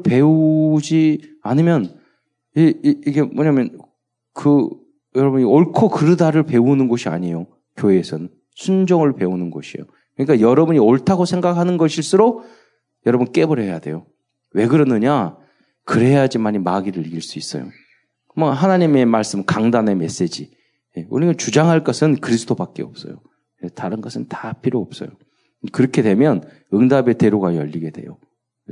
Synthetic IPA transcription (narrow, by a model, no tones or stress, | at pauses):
pe̞ud͡ʑi | anɯmjʌn | eiɡe̞mʌɲamjʌn | kɯ | jʌɾʌbuɲioɭkʰokɯɾɯdaɾɯɭpe̞unɯnɡʌɕʰia̰ɲijo | kjoesʰʌn | sʰund͡ʑʌŋɯɭpe̞unɯnɡʌɕʰḭjo̰ | kɯɲik͈ajʌɾʌbuɲioɭtʰaɡosʰe̞ŋɡakʰhanɯnɡʌɕʰiɭs͈uɾo | jʌɾʌbunk͈e̞bʌɾjʌja̰de̞̰jo | we̞ɡɯɾʌnɯɲa | kɯɾe̞jad͡ʑimaɲimaɡiɾɯɭiɡiɭs͈uis͈ʌjo̰ | mʌɦanaɲime̞maɭs͈ɯmkaŋdane̞me̞s͈e̞d͡ʑi | je̞o̰ɲiɡat͡ɕud͡ʑaŋɦaɭk͈ʌsʰɯnkɯɾisʰɯ̥tʰobak͈eʌp̚s͈ʌ̰jo | jetaɾɯnɡʌsʰɯntapʰiɾoʌp̚s͈ʌ̰jo | kɯɾʌkʰe̞dwe̞mjʌn | ɯŋdabe̞te̞ɾoɡajʌ̰ʎːiɡe̞dwe̞̰jo